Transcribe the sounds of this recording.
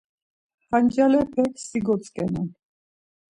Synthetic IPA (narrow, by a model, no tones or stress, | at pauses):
χand͡ʒalɛpʰɛksiɡɔt͡sʼkʼɛnɛn